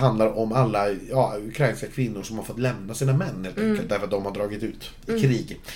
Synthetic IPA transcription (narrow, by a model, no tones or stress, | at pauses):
hand̪laɾɔmalːajɑːʉkʰɾajnskakʰvɪnːʊʂɔmhaɾfɔt̪ːlɛmnasiːnamɛnːheːlt̪ɛŋkːəlt̪d̪æɾfəɾt̪̚d̪ɔmhaɖɾɑːɡɪt̪ʉ̟ːt̪ | ɪkʰɾiːɡ